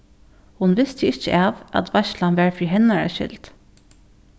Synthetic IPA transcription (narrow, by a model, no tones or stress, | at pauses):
hʊnʋɪst̪əɪçə̰ʔɑːʋʔɑ̰t̪ʰʋæʃlɑnʋæːɹfɹiːɦɛnɑɹæ̰ʃɪ̰lt̪